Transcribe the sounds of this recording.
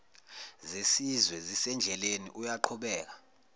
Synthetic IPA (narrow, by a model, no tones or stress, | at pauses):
zesizwɛzisɛnd͡ɮʱɛlenḭʔujaǃʰuɓɛːk̬ḁ